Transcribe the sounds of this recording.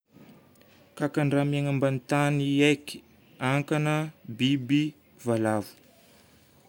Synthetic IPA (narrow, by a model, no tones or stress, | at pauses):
kakaɳrameŋambanit̪anieki̥ | aŋkanəbibi | valavu̥